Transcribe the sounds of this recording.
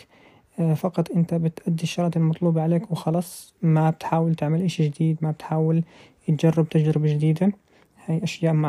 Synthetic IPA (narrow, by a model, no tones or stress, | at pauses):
fɑqɑt̪ˤʔɪnt̪abɪt̪ʔad̪ːiʃːɑɾˤɑt̪ɪlmɑt̪ˤluːbɑʕaleːkwɪxɑlɑːsˤ | mabɪt̪ħaːwɪlt̪ɪʕmɪlʔaʃid͡ʒɪd̪iːd̪mabɪt̪ħaːwɪl | jɪt̪d͡ʒarˤːɪb̚t̪ad͡ʒɾɪbad͡ʒɪd̪iːd̪a | hajʔaʃjaːʔmaʕ